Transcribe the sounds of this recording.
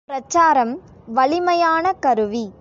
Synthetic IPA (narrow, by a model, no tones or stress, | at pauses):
pɾɐt͡ʃːaːɾɐm | ʋɐɭɪmɐjaːnɐkɐɾɯʋi